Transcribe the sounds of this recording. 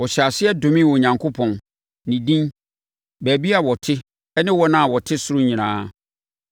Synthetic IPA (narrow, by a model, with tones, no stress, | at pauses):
wɔ˨ɕa˨sɪ˦ɛ˦dʊ̃˨mĩ˦wɔ˨ɲã˨ŋkʰo˦pʰɔ̃˨n | nĩ˨dĩ˦n | bæː˨bi˦a˨wɔ˨tʰɪ˦ | ɛ˦nɪ̃˦wɔ˦nã˦˨wɔ˨tʰɪ˦sʊ˦ɾʊ˦ɲĩ˨nãː˦